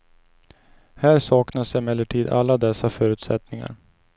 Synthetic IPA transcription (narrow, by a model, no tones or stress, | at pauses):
hæːɾsɑːknasɛmɛlːəʈʰiːd̪a̰lːad̪ɛsːafœːɾʉ̟ːt̪sɛt̪nɪŋa̰ɾ